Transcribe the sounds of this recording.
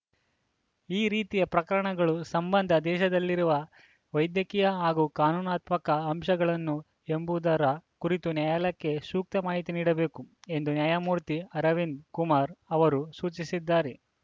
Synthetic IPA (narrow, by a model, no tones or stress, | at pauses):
iːɾiːt̪ijɐpɾɐkɐɾɐɳɐɡɐɭusɐmbɐnd̪ʱɐd̪ɛːʃɐd̪ɐlːiɾuʋɐ | ʋɐjd̪jɐkijɐɦaːɡuːkaːnuːnaːt̪mɐkɐːmʃɐɡɐɭɐnːu | e̞mbud̪ɐɾɐkuɾit̪unjaːjɐlɐkːe̞suːk̚t̪ɐmaːɦit̪iniːɽɐbe̞ːkue̞nd̪unjaːjamuːɾt̪iɐɾɐʋinkumaːɾɐʋɐɾusuːt͡ʃisid̪ːaːɾe